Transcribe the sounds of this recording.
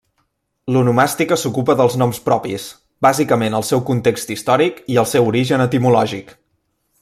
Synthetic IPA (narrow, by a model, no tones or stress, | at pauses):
lunumast̪ikəsukupəðəlˠznɔmspɾɔpḭs | bazikəmenəlˠsɛwkunt̪ekst̪ist̪ɔɾikiəlˠsɛwuɾiʒənət̪imulɔʒik